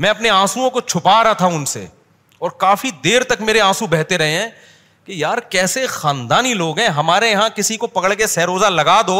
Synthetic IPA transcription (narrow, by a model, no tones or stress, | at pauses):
mɛ̃ːɐpneãːsuõkot͡ʃʰʊpaːɾat̪ʰaʊnsḛ | ɔːɾkaːfid̪eːɾt̪ɐkmeːɾeãːsũbɛɦt̪eɾɐɦeɦɛ̃ː | kejaːɾkɛːsexãːnd̪aːniloːɡɦɛ̃ɦɐmaːɾejɐɦãkɪsikopɐkəɽkesɛːɾoːzalɐɡaːd̪oː